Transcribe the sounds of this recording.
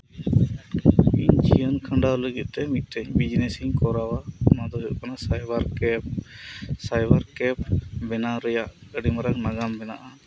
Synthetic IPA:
ḭɲt͡ʃʰijənkʰəɳɖawləɡit̪̚ˀt̪ɛmit̪̚ˀt̪ɛɲbid͡ʒnɛsiɲkɔɾawamad̪ɔɦuʔkanasajbaɾk | sajbaɾkɛp̚bɛnaɾɛjaʔəɖimaɾaknaɡambɛnaʔa

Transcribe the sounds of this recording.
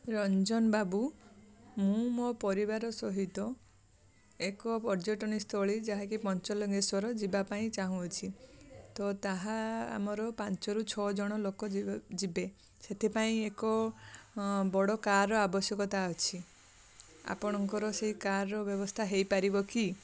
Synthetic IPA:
ɾɔnd͡ʒɔnbabu | mũmopɔɾibaɾɔsɔɦit̪ɔ | ekɔpɔɾd͡ʒɔʈɔnist̪oɭid͡ʒaɦakipɔnt͡ʃɔlɔɡesɔɾɔd͡ʒibapaĩt͡ʃaɦũɔt͡ʃʰit̪ɔt̪aɦaa̰mɔɾɔpant͡ʃɔɾut͡ʃʰɔd͡ʒɔɽ̃ɔlokɔd͡ʒibe | set̪ʰepaĩekɔ | bɔɽɔkaɾɔabɔsjɔkɔt̪aɔt͡ʃʰi | a̰pɔɽ̃ɔŋkɔɾɔseɦikaɾːɔbjɔbɔst̪ʰaɦejpaɾibɔki

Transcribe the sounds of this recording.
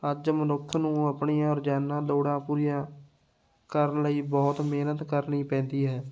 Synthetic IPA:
əd͡ʒmənʊkʰːnũːəpɳiːãːɔːɾd͡ʒaːnːãːloːɽãːpuːɾijãː | kəɾənləiːbɔːt̪meːnət̪kəɾniːpɛ̃ːnd̪iːɦɛː

